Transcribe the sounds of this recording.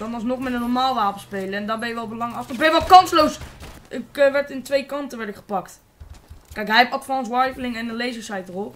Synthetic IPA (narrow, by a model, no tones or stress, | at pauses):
dɑnɑlˠsnoχmɛtənːɔɹmaːlˠʋaːpəspejləɛndɑbɛjəʋɛlˠbəlɑŋɑsɪbɛjəʋɑtkɑnslowsʔɪkəʋɛɹtɪntʋejkɑntəʋɛɹtɪkχə̥pɑkt | kɛjkɦɛjɛpɑtfɑːnsʋajflɪŋɛnənlejzəɹsɛjtərɔlˠ